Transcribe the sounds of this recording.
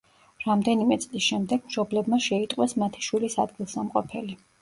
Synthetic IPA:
ɾamd̪ɛnimɛt̪sʼlisʃɛmd̪ɛɡ̥mʃɔblɛbmaʃɛit̪ʼqʼwɛsmat̪ʰi̥ʃwilisa̰d̪ɡilˠsamqʼɔ̰pʰɛli

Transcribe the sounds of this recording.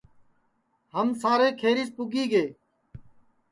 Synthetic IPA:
həmsaːɾeːkʰeːɾiːspʊɡiːɡeː

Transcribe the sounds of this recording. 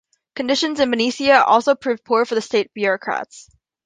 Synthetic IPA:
kɨ̃ndɪʃɨ̃nzɨ̃nvɨnisiɨʔɔlˠsoʊpʰɹ̥ʉvpʰʊɹfə˞ðɨsteɪt̚b̥jʊɹɹɑkʰɹ̥æ̰ts

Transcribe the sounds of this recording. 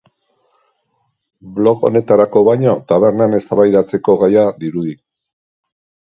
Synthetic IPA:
blo̞ko̞̰ne̞t̪aɾako̞βajɲo̞t̪aβe̞ɾnane̞st̪aβajðat͡se̞ko̞ɣajaðiɾuði

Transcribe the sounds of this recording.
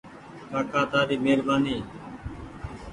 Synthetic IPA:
kaːkaːt̪aːd̪iːmeːɾbaːniː

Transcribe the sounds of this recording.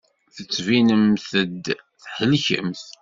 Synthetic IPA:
θət͡sːvinəmθəd̪ | θħəlçə̰mθ

